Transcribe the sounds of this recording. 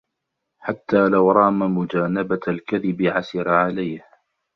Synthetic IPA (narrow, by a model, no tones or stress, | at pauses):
ħat̪ːaːlawɾˤɑːmamʊd͡ʒaːnabalkaðɪbɪʕasɪɾaʕalajh